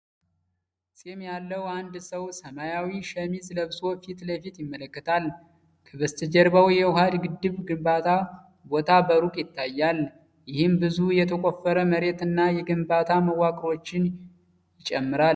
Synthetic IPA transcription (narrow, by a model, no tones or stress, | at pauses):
sʼemjalːəwand̪səwsəmajawiʃəmizləβso̞fit̪ləfit̪jɪmːələkːət̪ʰal | kʰəβəst̪ʰɨd͡ʒɛɾbawjɛwʊɦad̪ɡɨd̪ːɨβɡɨmbat̪ʰa | bo̞t̪ʰabəɾukʼjɪt̪ːajːal | jɪhɪmbɨzujɛt̪ʰəkʼofːəɾəməɾe̞t̪ɨnːajɛɡɨmbat̪ʰaməwːakʼɾo̞t͡ʃːɪn | jɪt͡ʃʼɛmːɨɾal